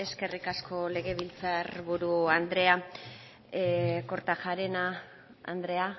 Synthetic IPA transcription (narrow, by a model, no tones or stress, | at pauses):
e̞ske̞rikasko̞le̞ɣe̞βilt͡sarβuɾuand̪ɾe̞a | ko̞ɾt̪aʝaɾe̞na̰ː | nd̪ɾe̞a